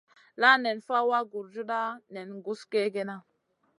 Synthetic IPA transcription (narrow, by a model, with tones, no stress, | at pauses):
la˦ne˨nfa˦wa˦ɡu˨ɾd͡ʒu˦ɗa˦ne˨nɡu˦ske˦ɡe˦na˦